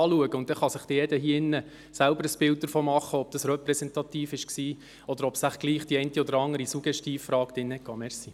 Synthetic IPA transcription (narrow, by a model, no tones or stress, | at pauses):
ɑːluəɡəʊnt̪̚dɛχɑsɪχd̥ɪjɛdəhiəɪnːə | sælbəɾəsb̥ɪlt̚d̥̪əɾfoːmɑχːəɔb̚d̥̪ɑsrœpɾɛsɛnt̪ɑt̪iːfɪʃksiː | ɔd̪əɾɔpsæχɡ̥liːχd̥iɛɪntiɔdəɾɑŋːəɾisuɡ̥jɛʃtiːffɾɑːkt̪ɪnːəɛkkɑːmɛɾsi